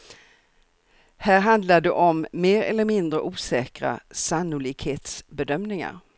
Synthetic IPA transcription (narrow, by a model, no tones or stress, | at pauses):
hæːɾɦand̪lad̪ɛʔɔmːeːɾɛlːəɾmɪnd̪ɾəʔuːsɛːkɾa̰sanːʊliːɡheːt̪sbɛd̪œmnɪŋa̰ɾ